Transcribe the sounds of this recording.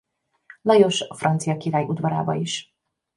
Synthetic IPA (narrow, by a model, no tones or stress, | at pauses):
lɒjo̞ʃɒfrʔɒnt̪sijɒkiɾaːjud̪vɒɾaːbɒiʃ